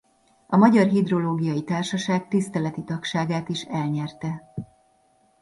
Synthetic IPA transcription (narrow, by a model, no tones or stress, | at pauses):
ɒmɒɟɒrɦid̪ro̞loːɡijɒjit̪aːrʃɒʃaːɡ̚t̪ist̪ɛlɛt̪it̪ɒkʃaːɡaːt̪iʃɛlɲɛrt̪ɛ